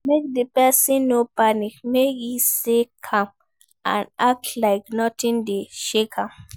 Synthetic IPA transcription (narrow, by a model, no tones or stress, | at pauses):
mek̚depɛsĩnːopanikmekjisekʰãm | ã̰nak̚tʰlaɪknɔtĩndeʃekʰãm